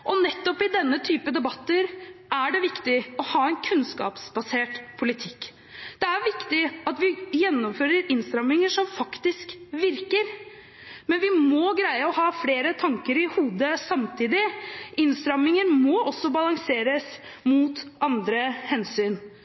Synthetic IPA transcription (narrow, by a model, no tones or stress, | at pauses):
ʔɔnɛt̪ːɔpɪd̪ɛnːət̪ʰyːpəd̪ɛbɑt̪ːəɾʔæɖɛʋɪkt̪ɪɔhɑːɛnkʰʉnskɑ̰ːpsbɑseːʈpʰʊlɪt̪ʰɪkː | d̪̥ɛæɾʋɪkt̪ɪɑt̪ʋɪjɛnːɔmføːɾəɾɪnst̪ɾɑmːɪŋəʂɔmfɑkt̪ɪskʋɪɾkəɾ | mɛnʋɪmɔɡɾæɪəɔhɑːfleːɾət̪ʰɑŋkəɾɪhuːd̪əsɑmt̪ʰiːd̪ɪʔɪnst̪ɾɑmɪŋəɾmɔʔɔsːɔbɑlɑŋseːɾəs | muːt̪ʔɑnd̪ɾəhɛnsyːn